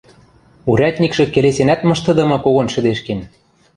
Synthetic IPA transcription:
uɾʲæt̪ʲnʲikʃɤ̆kelesenæt̪mɤ̆ʃt̪ɤ̆d̪ɤ̆mɤ̆koɣonʃɘ̆d̪eʃken

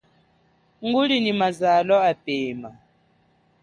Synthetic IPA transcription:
ŋɡuɺinimazalɔapɛːma

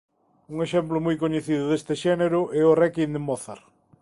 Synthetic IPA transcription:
uŋeʃɛmplʊmojkoɲeθiðʊðest̪ɪʃɛneɾʊʔɛorɛkind̪emɔθa̰ɾ

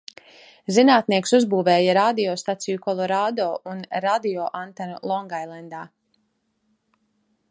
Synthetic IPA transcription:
zinaːt̪niɛksuzbuːvɛːjaɾad̪iɔːst̪at̪sijukɔlˠɔɾaːd̪ɔːunɾad̪iɔʔant̪anlˠɔŋɡajlˠɛnd̪aː

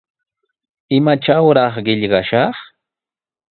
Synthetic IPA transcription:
ɪmat͡ʃawɾɑχɢɪʎɢɑʃɑχ

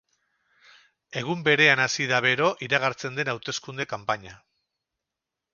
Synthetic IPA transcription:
e̞ɣ̞umbe̞ɾe̞anasiðaβe̞ɾo̞ʔiɾaɣ̞aɾt͡se̞nd̪e̞nawt̪e̞skund̪e̞kampaɲa

